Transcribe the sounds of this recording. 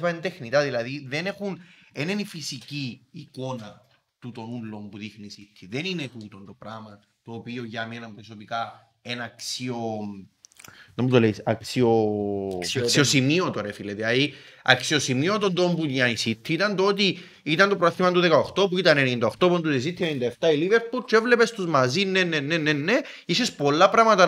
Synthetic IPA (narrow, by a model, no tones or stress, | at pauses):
pɐend̪exnit̪aðilɐðiðe̞ne̞xunenenifisiciːko̞nɐ | t̪ut̪o̞nulːo̞mpuðixnisit̪ʰːiðeninexut̪ont̪opɾamɐ | t̪oːpioʝɐmenɐmpɾosopika | enːksio | nomud̪olejisɐ̰ksio | ksiosimiot̪oɾefilet̪eɐiɐ̰ksio̞simiot̪ond̪ompujɐnisit̪ʰːiit̪ɐnt̪oot̪̬i | it̪ɐnt̪opɾaθimɐnt̪uðekaoxt̪op̬uit̪ɐnenind̪aoxt̪o̞pond̪uðis̬it̪ʰːienind̪ɐeft̪ɐiliveɾpuɾt͡ʃevlepest̪uzmɐzinːenːenːenːenːe | isespo̞lːɐpɾɐmɐt̪ɐ